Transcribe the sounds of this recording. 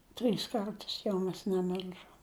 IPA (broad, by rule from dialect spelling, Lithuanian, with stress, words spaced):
ˈtʲrʲiːs ˈkɐrtʊs jɛʊ ˈmʲɛs nʲɛˈmʲɪlʲʒoːm